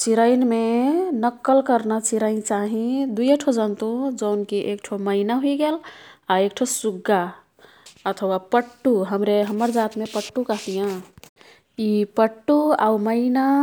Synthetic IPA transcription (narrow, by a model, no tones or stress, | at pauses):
t͡ʃiɾəɪnmenəkːəlkəɾnat͡ʃiɾəɪnt͡ʃaɦĩd̪ujəʈʰod͡ʒənt̪ud͡ʒəʊnkiʔekʈʰoməɪnaɦuiɡelaek̚ʈʰosuɡːa | ət̪ʰəwapəʈːuɦəmɾeɦəməɾd͡ʒat̪mepəʈːukəɦt̪ijã | ipəʈːua̰məɪna